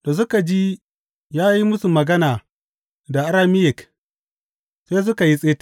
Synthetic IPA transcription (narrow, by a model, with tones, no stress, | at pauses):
to˨s̬ʊ˦ka˨d͡ʒiː˦ | jaː˦ji˦mʊ˦su˨mɐ˨ɡɐ˦naː˨ | da˨ʔa˦ɾa˦mɪ˦jɪ˨k | seː˦s̬ʊ˦ka˨ji˦sʼeː˦t